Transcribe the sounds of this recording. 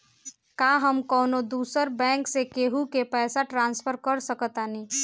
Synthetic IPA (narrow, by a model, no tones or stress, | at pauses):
kaɦəmkɔːnod̪uːsəɾbɛ̃ːŋksekeɦukepɛːsaʈɾãnspʰəɾkəɾsəkət̪ani